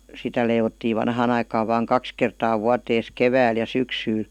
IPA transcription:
sitæ leiʋotːiː ʋɑnhɑːn ɑikɑːʋ ʋɑːŋ kɑks kertɑː ʋuɑteːs keʋæːl jɑ syksyːl

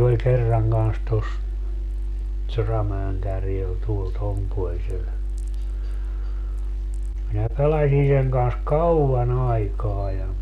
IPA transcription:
olʲ kerːɑŋ kɑns tos sorɑmæeŋ kærjel tuol tom puolsel minæ pelɑsʲi seŋ kɑns kɑuɑn ɑikɑː jɑ

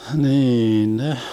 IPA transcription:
hniːn neh

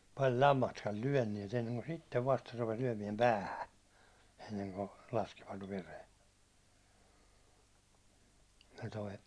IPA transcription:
pɑl lɑmːɑstkɑl lyæ̹nːiɛt enːeŋko sitːeʋ ʋɑstɑ rupes lyæ̹miɛm pæːhæ enːeŋko lɑskiʋɑt ʋeren se toi

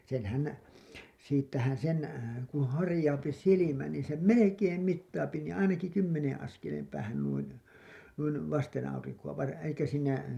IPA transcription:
senhæn siːtːæhæn̞ sen kũː hɑrĭjɑupi silimæ niː sem melekeːm mitːɑːpi niːĩ ɑinɑki kymːenẽː ɑskelem pæːhæn nuin̞ nuin ʋɑstenɑuriŋkuɑ ʋɑr elikːæ siːnæ

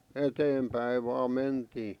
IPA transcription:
eteːmpæi ʋɑː mentiː

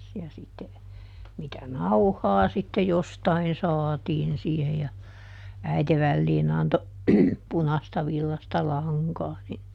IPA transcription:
jɑ sitːe mitæ nɑuhɑː sitːe jostɑin sɑːtiːn siːhe jɑ æite ʋælːiːn ɑnto punɑstɑ ʋilːɑstɑ lɑŋkɑː ni

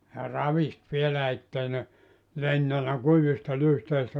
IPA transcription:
jɑ rɑʋist ʋielæ etːei ne lentænæ kuiʋistɑ lyhteistæ

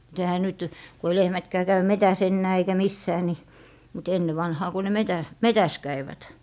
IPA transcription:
mut ehæ nyt ko ei lehmætkæː kæy metæs enːæː eikæ misːæː ni mut enːe ʋɑnhɑː ku ne metæ metæs kæiʋæt

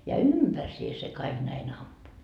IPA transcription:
jɑ ympærsie se kɑiɡ̊ næin ɑmpu

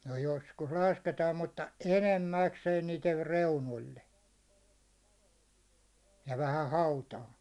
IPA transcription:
no joskus lɑsketɑːm mutːɑ enemːækseːn niːter reunolʲːe jɑ ʋæhæ hɑutɑː

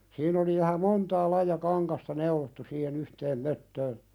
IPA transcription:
sin oli ʋæhæ montɑː lɑijɑ kɑŋkɑstɑ neulotːu siːhen yhteːm møtːøːn

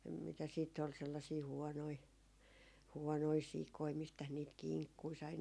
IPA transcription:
mitæs siːtː ol selːɑsiː huɔnoi huɔnoi sikoi mistæs niːt kiŋkːui sɑi

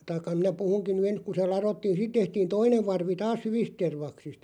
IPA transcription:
tɑĭkːɑ minæ puhuŋkin̆ ny ens ku se lɑrotːiːn̞ sit tehtiːn toineʋ ʋɑrʋi tɑːs hyʋist terʋɑksist

